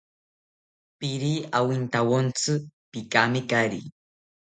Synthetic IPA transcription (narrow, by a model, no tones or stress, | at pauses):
pɪɾiːawint̪awont͡sɨpɪkamɪkaɾḭ